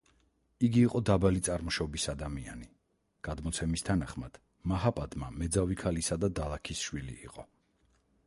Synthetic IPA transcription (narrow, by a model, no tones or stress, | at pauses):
iɡiːqʼɔd̪abalit̪sʼaɾmɔʃɔbisad̪amia̰ni | ɡ̥ad̪mɔt̪sʰɛmist̪ʰanaχmad̪̥ | maɦapʼad̪mamɛd̪zavikʰalisad̪ad̪alˠakʰisʃwilḭːqʼɔ